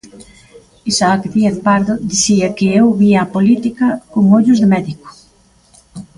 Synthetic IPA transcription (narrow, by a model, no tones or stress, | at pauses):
isaakdieŋpaɾðʊd̪iθiɐkɪewβiapolit̪ikɐkʊŋoʎʊzðɪmɛðiko̥